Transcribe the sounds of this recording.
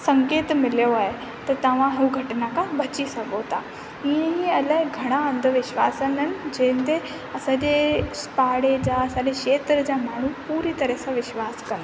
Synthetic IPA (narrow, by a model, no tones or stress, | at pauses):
sɐ̃ŋkeːt̪mɪljoaːɦe | t̪ɐt̪ɐʋ̤ãɦɪuɡʱɐʈnakʰãbɐt͡ɕisɐɡot̪a | iẽiɐlaɪɡʱɐɽ̃aə̃nd̪ʱəʋɪʃʋa̰ːsənənɪ̆d͡ʑẽɦɪ̃nt̪e | ɐsãd͡ʑespaːɽed͡ʑaɐsãɲd͡ʑekʃeːt̪ɾəd͡ʑamaːɳ̤upuːɾit̪ɐɾəsãʋɪʃʋaːskɐ̃nd̪